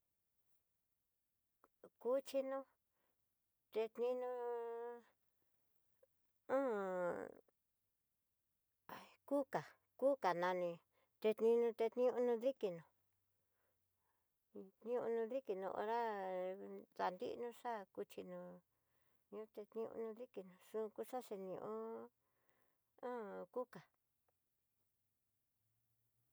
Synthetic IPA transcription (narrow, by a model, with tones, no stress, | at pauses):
ku˧t͡ʃi˧nũ˦ | t̪e˧t̪nĩ˧nũ˧ | õ˦ | a˨i˧ku˦ka˨ | kuː˦ka˨nã˧nĩ˧ | t̪e˧t̪nĩ˧nũ˧t̪e˧t̪nĩ˦ũ˧nũ˧ði˦ki˧nũ˨˧ | t̪nĩ˦õ̰˧nũ˧ði˦ki˧nṵ̃˧ʔo̰˧ɾa˦ | ða˧nd̪ḭ˦ʔnũ˦ʂa˦ku˧t͡ʃi˧nũ˧ | ɲĩ˧˦t̪e˧t̪nĩ˧ṵ̃˧nũ˧ði˦ki˧nũ˨ʂũ˦˧ku˦ʂa˦ʂe˧nĩ˧ʔõ˦ | ã˦ku˦ka˨